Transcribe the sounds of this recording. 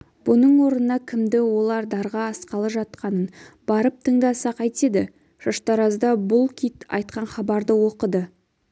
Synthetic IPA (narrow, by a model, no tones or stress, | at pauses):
b̥ʊnəɴwo̞ɾənənɑkʲʰɪmd̪ɪwo̞lˠɑɾd̪ɑɾʁɑːsqɑlˠəʒɑt̪̚qɑnənb̥ɑɾəp̚t̪ʰəɴd̪ɑsɑqɑjt̪e̞d̪ɪ | ʒ̥ɑʃt̪ɑɾɑzd̪ɑbʊlˠkʲʰit̪ɑ̰jt̪̚qɑnχɑbɑɾd̪əwo̞qəd̪ə